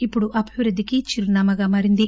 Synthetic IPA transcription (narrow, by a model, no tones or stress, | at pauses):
ipːuɽuʔɐbʱiʋɾud̪ʱːikit͡ʃiɾnaːmɐɡaːmaːɾind̪i